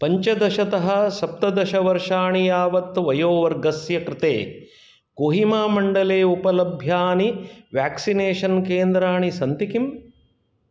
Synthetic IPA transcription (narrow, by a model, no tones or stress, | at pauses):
pɐɲt͡ʃɐd̪ɐʃɐt̪ɐɦɐ̆sɐp̚t̪ɐd̪ɐʃɐʋɐɾʂaːɳijaːʋɐt̪ʋɐjoːʋɐɾɡɐsjɐkɾɪt̪ḛː | koːɦimaːmɐɳɖɐleːupɐlɐbʱjaːniʋjaːksineːʂɐnkeːnd̪ɾaːɳisɐnt̪ikim